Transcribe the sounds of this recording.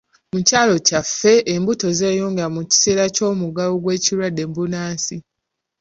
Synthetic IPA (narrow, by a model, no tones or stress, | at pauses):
mucaːlo̞cafːe̞ʔːmbuto̞ze̞ːjoːŋɡeɾamuci̥se̞ːɾaco̞ːmuɡaloɡwe̞ːciɾwadːe̞mbunaːsi